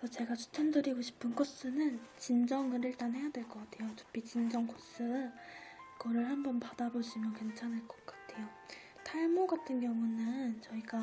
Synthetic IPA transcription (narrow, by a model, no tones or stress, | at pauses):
sʰʌt͡ɕe̞ɡat͡ɕʰu̥tʰendɯɾiɡoɕʰi̥pʰɯnkos͈ɯnɯnt͡ɕind͡ʑʌŋɯɾɯɭt͈anɦe̞jadwe̞ɭk͈ʌk͈atʰe̞jotu̥p͈it͡ɕind͡ʑʌŋkos͈ɯɯnɡʌɾɯɭhambʌnpad̥aboɕʰimjʌnkwent͡ɕʰanɦeɭk͈ʌ̥k͈ḁtʰe̞jo | tʰaɭmoɡatʰɯnɡjʌŋunɯnt͡ɕʌiɡa